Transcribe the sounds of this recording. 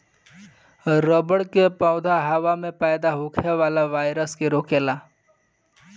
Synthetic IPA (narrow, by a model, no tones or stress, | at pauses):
ɾəbəɽkepɔːd̪ʱaɦəʋamẽpɛːd̪aɦʊkʰeʋaːlaʋaːɪɾəskeɾoːkeːlaː